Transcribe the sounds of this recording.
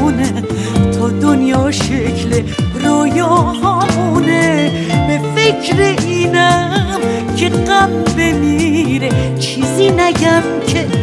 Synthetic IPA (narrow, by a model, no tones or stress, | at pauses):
ne | t̪ʰɔːd̪onjɒːʃecʰleɾojɔːhɔmune | befekʰɾeʔiːnæm | cʰe̞ɢæbbe̞miɾet͡ʃʰiːziːnæɟæm | cʰe